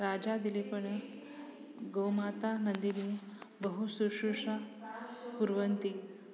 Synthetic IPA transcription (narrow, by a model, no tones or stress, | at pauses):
ɾad͡ʒad̪ilipɐɳ | ɡowmat̪anɐnd̪inibɐɦusuʂuʂa | puɾʋɐnt̪i